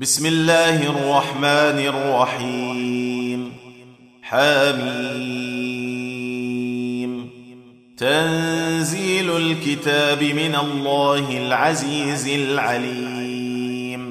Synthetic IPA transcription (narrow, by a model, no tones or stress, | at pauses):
bɪsmɪlːaːhɪrˤːɑħmaːnrˤːɑħiː | m | ħamiː | m | t̪anziːlʊlkɪt̪aːbɪmɪnalˤːɑːhɪlʕaziːzɪlʕaliː | m